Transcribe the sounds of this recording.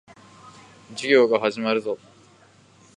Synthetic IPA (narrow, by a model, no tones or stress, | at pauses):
d͡ʑiɡʲo̞ːɡaɦaʑimaɾɯ̟zo